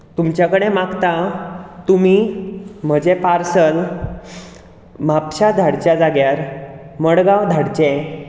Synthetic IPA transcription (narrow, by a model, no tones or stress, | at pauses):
t̪umt͡ɕjakəɽemaɡt̪at̪umim̤əd͡ʑepaɾsəl | mapɕad̪ʱaɽt͡ɕjad͡zaɡjaɾ | məɽɡaʋd̪ʱaɽt͡ɕe